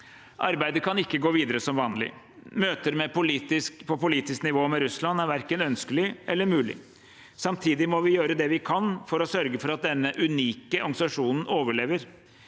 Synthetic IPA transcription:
ʔɑɾbæɪd̪əkʰɑnɪkːəɡoːʋiːd̪əɾəsɔmʋɑːnlɪ̰ | møːt̪əɾmɛpʰʊlit̪ɪskpʰɔpʊliːt̪ɪsknɪʋoːmɛɾʉslɑnːæɾʋæɾkənœnskəlɪʔɛlːəɾmʉːlɪ̰ | sɑmt̪ʰiːd̪ɪmɔʋɪjøːɾəd̪ɛʋɪkʰɑnfɔɾɔsœɾɡəfɔɾɑt̪̚d̪ɛnːəʔʉniːkəʔɑŋsɑʂuːnn̩oːʋəɭeːʋəɾ

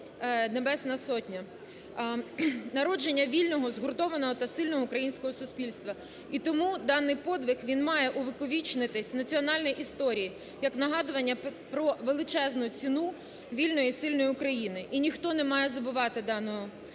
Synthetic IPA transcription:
nebɛsnɐsɔtʲnʲɐ | nɐɾɔd͡ʒenʲːɐʋʲilʲnɔɦɔzɦʊrt̪ɔʋɐnɔɦɔt̪ɐsɪlʲnɔɦɔukɾɐjinʲsʲkɔɦɔsʊspʲilʲst̪ʋɐ | it̪ɔmud̪ɑnːɪjpɔd̪ʋʲɪxʋʲinmɑjɛʔʊʋɪkɔʋʲit͡ʃnɪt̪ɪsʲwnɐt͡sʲiɔnɑlʲnɔjʔist̪ɔɾʲiji | jɐknɐɦɑd̪ʊʋɐnʲːɐpɾɔʋelˠɪt͡ʃɛznʊt͡sʲinu | ʋʲilʲnɔjisɪlʲnɔjiʊkɾɐjinɪʔinʲixt̪ɔnɛmɑjɛzɐbʊʋɑt̪ɪd̪ɑnɔɦɔ

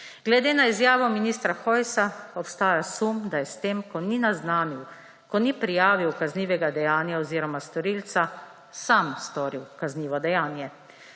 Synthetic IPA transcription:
ɡlɛd̪eːnaizjaːʋɔminist̪ɾaxɔjsaɔpst̪aːjasumd̪ajɛst̪eːmkɔninaznaːniw | kɔnipɾijaːʋiwkazniːʋɛɡad̪ɛjaːnjaɔziːɾɔmast̪ɔɾilt̪sa | samst̪ɔːɾiwkazniːʋɔd̪ɛjaːnjɛ

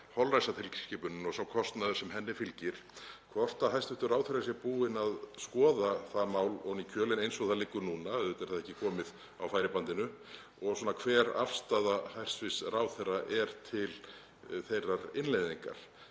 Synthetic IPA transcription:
hɔlrajsat̪ʰɪlcscɪːpʏnʏnɔɣsawkʰɔst̪naðʏsɛmɦɛnːɪfɪlcɪɾ̥kʰvɔr̥t̪aɦajst̪vɪht̪ʏɾraːwθɛɾas̬jɛɾpuːɪnaðskɔːðaθamaːwlɔɣnicʰœːlɪnejnsɔɣθalɪkːʏnuːnaɛðʏt̪ɛɾ̥θaðɛhcːɪkʰɔːmɪð | awfaːjɾɪpant̪ɪnʏ | ɔɣsɔnakʰv̥ɛːɾa̰fst̪aðahajr̥st̪vɪsrawθɛraʔɛɾ̥t̪ʰɪl | θejrːaɾɪnlejðiŋka̰ɾ̥

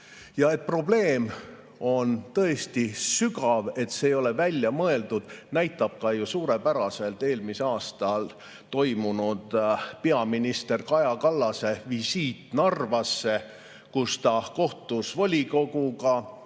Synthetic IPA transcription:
jɑe̞t̪̚pro̞ble̞ːm | o̞nt̪ɤ̞e̞st̪isykɑve̞t̪se̞ːjo̞le̞vælʲjɑmɤe̞ld̪ud̪̥næjt̪ːˑɑb̥̚kɑjusuːɾe̞pæɾɑse̞lt̪ːe̞ːlmiseɑːst̪ɑl | t̪o̞jmunud̪̥peɑminist̪e̞rkɑjɑkɑlːɑse̞visiːt̪nɑrvɑsːe̞ | kust̪ɑko̞ht̪usvɑlʲiko̞ɡukɑ

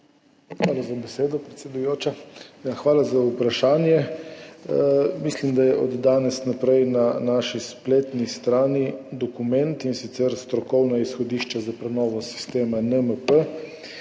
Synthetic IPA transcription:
xʋaːlazabɛseːd̪ɔpɾɛt̪sʲɛd̪ujoːt͡ʃajaxʋaːlazaupɾaʃaːnjɛ | mislimd̪ajɛʔɔd̪ːaːnɛsnapɾɛjnanaʃispleːt̪nist̪ɾaːnid̪ɔkumɛ̃nt̪insit̪sɛɾst̪ɾɔkɔwnaisxɔd̪iːʃt͡ʃazapɾɛnɔːʋɔsi̥st̪eːmanəməpə

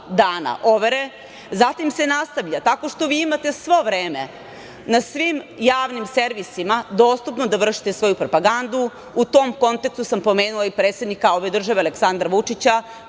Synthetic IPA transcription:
d̪aːna̰ʔo̞ʋeɾe | zat̪imse̞nast̪aʋʎat̪ako̞ʂt̪o̞ʋiːimat̪e̞sʋo̞ʋɾeːmḛ | nasʋimjaːʋnimseɾʋisimad̪o̞st̪upno̞d̪aʋr̩ʃi̥t̪esʋo̞jupɾo̞paɡand̪u | ut̪o̞mko̞nt̪ekst̪usampo̞me̞ːnulaipɾeːt̪se̞d̪nikao̞ʋe̞d̪r̩ʒaʋealeksand̪ɾaʋut͡ʂit͡ɕa

